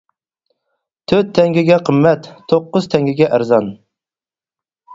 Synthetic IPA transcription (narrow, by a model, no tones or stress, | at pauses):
t̪ʰøɾt̪ʰːɛŋɡʲiɡʲɛqʰəmːɛt̪ʰːoqːʊz̥t̪ʰɛŋɡʲiɡʲɛʔæɾzɑn